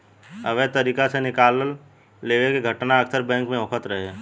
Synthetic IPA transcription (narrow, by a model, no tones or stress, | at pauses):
ɐʋet̪ɐɾiːkasenɪkaːləlː | eːʋekeɡʱəʈnaɐksəɾbɛ̃ːŋkmẽokʰət̪ɾɐɦe